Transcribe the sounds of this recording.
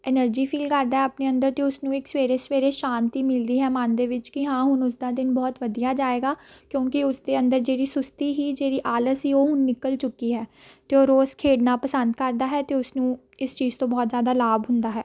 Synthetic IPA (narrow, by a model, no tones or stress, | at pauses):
ɛnəɾd͡ʒiːpʰiːlkəɾd̪aːɦɛapneːənd̪əɾt̪eːʊsnũːɪksʋeːɾeːsʋeːɾeːʃãːnt̪iːmɪld̪iːɦɛːmãːnd̪eːʋɪt͡ʃkɪɦãːɦʊnʊsd̪aːd̪ɪnbɔːt̪ʋəd̪ijaːd͡ʒaːeːɡaːkjõːkɪʊsd̪eːənd̪əɾd͡ʒeːɾiːsʊst̪iːɦiːd͡ʒeːɾiːʔaːləsiːoːɦʊnnɪkːəlt͡ʃʊkːiːɦɛː | t̪eːoːɾoːskʰeːɖnaːpəsənd̪kəɾd̪aːɦɛːt̪eːʊsnũː | ɪst͡ʃiːzt̪õːbɔːt̪zjaːd̪aːlaːbɦʊnd̪aːɦɛː